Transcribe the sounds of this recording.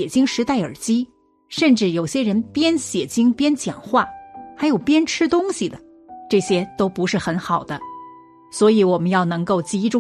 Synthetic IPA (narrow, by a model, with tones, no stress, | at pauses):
ɛ˨˩t͡ɕi˥ŋʂɻ̩˧˥t̪a˥˩ɪə̰˞˨˩t͡ɕi˥ | ʂə˥˧nʈ͡ʂɻ̩˥˩jo˨˩ʊɕjɛ˥ɻə˧˥npjɛ˥nɕjɛ˨˩t͡ɕi˥ŋpjɛ˥nt͡ɕjɑ̰˨˩ŋxwa˥˩xa˧˥ɪjo˨˩ʊpjɛ˥nʈ͡ʂʰɻ̩˥t̪ʊ˥ŋɕi˨d̪ə˩ | ʈ͡ʂɤ˥˩ɕjɛ˥t̪o˥ʊpu˧˥ʂɻ̩˥˩xə˧˥nxɑ˨˩ʊd̪ə˦ | swɔ˧˥i˧˥wɔ˨˩mə˦njɑ˥˩ʊnɤ˧˥ŋko˥˩ʊt͡ɕi˧˥i˥ʈ͡ʂʊ˥